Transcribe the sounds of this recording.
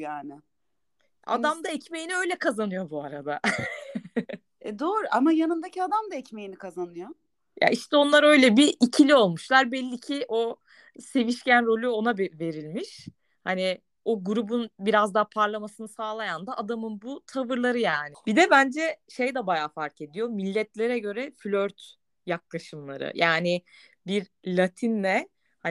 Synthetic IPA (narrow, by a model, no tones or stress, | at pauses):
jaːnɪ | ʔa̰d̪amd̪aɛcme̞jiniø̞jlʲɛkʰazanɯjo̞buaɾad̪a | ɛd̪oːɾuʔamajanɯmd̪acʰiad̪amd̪aɛcmejinikʰazanɯjo | ja̰iʃt̪ʰɛo̞nlˠaɾø̞jlʲɛbiʔicʰilʲio̞lˠmuʃlˠaɾbɛlʲːicʰiʔo̞ | se̞viʃcʰænɾo̞lʲuo̞nabve̞ɾilʲmiʃ | hani | o̞ɡuɾubunbiɾazd̪apʰaɾlˠamasɯnɯsaːlˠajand̪aʔad̪amɯnbut̪ʰavɯɾlˠaɾɯjaːnɪbid̪ɛbænd͡ʒɛʃe̞jd̪ɛbajaːfaɾke̞d̪ijo̞milʲːɛt̪lʲe̞ɾɛɟø̞ɾɛflʲøɾt̪ | jak̚lˠaʃɯmlˠa̰ɾɯ̰jaːnɪ | biɾlʲat̪ʰinːɛ | ha